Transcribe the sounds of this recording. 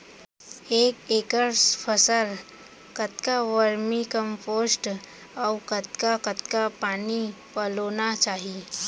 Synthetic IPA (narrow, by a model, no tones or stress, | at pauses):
eːkeːkəɾpʰəsəl | kət̪kaʋəɾmikə̃mpoːsʈ | ɔkət̪kakət̪kapaːnipəloːnat͡ʃaːɦi